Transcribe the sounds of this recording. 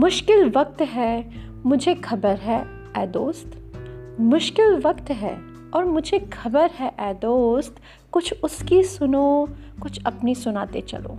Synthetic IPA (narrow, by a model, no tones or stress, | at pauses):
mʊʃkɪlʋɐk̚t̪ɦɛ | mʊd͡ʒʱexʰɐbəɾɦɛ | ɛːd̪oːst̪mʊʃkɪlʋɐkt̪ɦɛ̰ | ɔːɾmʊd͡ʒʱexʰɐbəɾɦɛʔɛːd̪oːst̪ | kʊt͡ʃʰʊskisʊnokʊt͡ʃʰɐpnisʊnaːt̪ḛt͡ʃɐ̰lo̰ː